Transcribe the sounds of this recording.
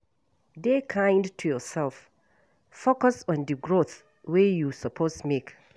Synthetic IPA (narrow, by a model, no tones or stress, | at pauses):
dekʰãɪ̃ndtʰujɔsɛlˠf | fokəsɔ̃ndɨɡɹoθ | wejusəpʰosmek